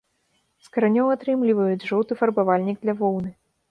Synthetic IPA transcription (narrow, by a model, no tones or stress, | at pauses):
skɐɾanʲɔwat̪ɾɨmlʲivɐjud͡zʲʐɔwt̪ɨfɐrbavalʲnʲiɡ̚d̪lʲɐvɔwnɨ